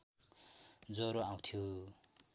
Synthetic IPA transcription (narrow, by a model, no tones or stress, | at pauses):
d͡zoɾoaw̃t̪ʰju